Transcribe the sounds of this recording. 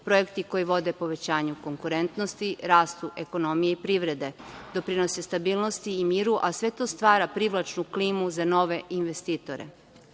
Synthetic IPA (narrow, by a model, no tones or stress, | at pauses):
pɾo̞jekt̪iko̞jiʋo̞d̪e̞po̞ʋe̞t͡ɕaːɲuko̞ŋkuɾe̞nt̪no̞st̪iɾaːst̪uʔe̞ko̞no̞mijeipɾiːʋɾe̞d̪e̞d̪o̞pɾino̞sest̪abiːlˠno̞st̪iːmiːɾuʔasʋe̞t̪o̞st̪ʋaːɾapɾiʋlˠat͡ʃnukliːmuzano̞ʋe̞ʔinʋest̪iːt̪o̞ɾḛ